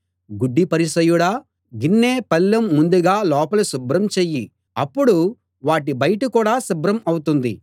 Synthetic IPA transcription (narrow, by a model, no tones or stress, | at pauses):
ɡuɖːipɐɾisɐjuɽaː | ɡinːeːpɐlːɐmːund̪uɡaːlɔːpɐlusubɾɐmt͡ʃeːjːi | ɐpːuɽu | ʋaːʈ̬ibɐjɐʈɐkuːɽaːsubɾɐmɐwut̪und̪ḭ